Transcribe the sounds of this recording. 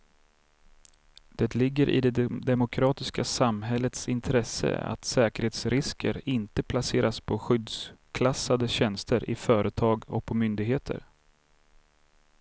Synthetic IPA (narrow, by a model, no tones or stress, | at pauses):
d̪̥ɛt̪lɪɡːəɾʔɪ̰d̪ɛd̪ɛmʊkʰɾɑːt̪ɪskasamɦɛlːət̪sɪnt̪ʰɾɛsə̰a̰t̪sɛːkəɾheːt̪sɾɪskʰə̰ɾɪnt̪əpʰlaseːɾʔaspʰɔɧʏd̪skʰlasːad̪əɕɛnst̪ʰəɾʔɪfœːɾʔət̪ʰɑːɡɔ̰k̚pʰɔmʏnd̪ɪɡɦeːt̪ʰə̰ɾ